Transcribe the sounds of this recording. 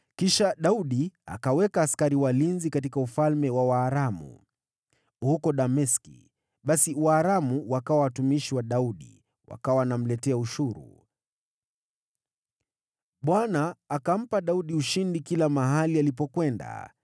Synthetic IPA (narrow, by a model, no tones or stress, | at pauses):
kiʃaɗauɗia̰kawɛkaːskaɾiwalinzikatikaufalmɛwawaːɾamṵ | hukɔɗamɛskḭ | ɓasiwaːɾamuwakawawatumiʃiwaɗauɗḭ | wʔa̰kawanam̩lɛtɛauʃuɾṵ | ɓwanaːkam̩paɗauɗiuʃindikilamaɦalialipɔkwɛnda̰